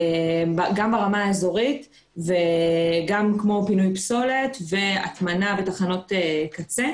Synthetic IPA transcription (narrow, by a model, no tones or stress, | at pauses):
ebaɡambaʁamaːezo̞ʁit | veɡamkmo̞pinujpso̞le̞tve̞a̰tmanabetaχano̞tekat͡se